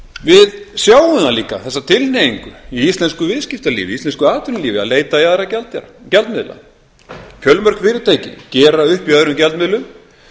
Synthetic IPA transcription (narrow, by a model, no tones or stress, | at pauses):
vɪðsjaːwʏmaliːka̰θɛsːat̪ʰɪlnejiŋkʏiist̪lɛnskʏvɪðscɪft̪alḭːvɪist̪ɛnskʏaːt̪ʰʏɾnliːvɪa̰ðleːjt̪aiaðɾacɛlt̪a̰ɾcɛlt̪mɪðla̰ | cʰœlmœɾ̥kfɪːɾɪɾt̪ʰeːjcɪ̰cɛːɾaʏhpiœðɾʏmcɛlt̪mɪðlʏm